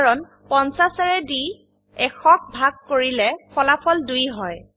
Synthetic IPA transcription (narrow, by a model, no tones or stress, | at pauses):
aɹɔn | pɔnsasaɹɛdi | ɛkʰɔk̚bʱaɡ̚koɹilɛpʰɔlapʰɔldujɦɔj